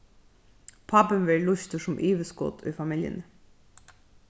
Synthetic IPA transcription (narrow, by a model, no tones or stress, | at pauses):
pʰɑpənʋɛːɹɭʊçt̪əʂʊmʔiːʋəskɔ̰t̪ʰɔ̰fɑmɪljə̰nə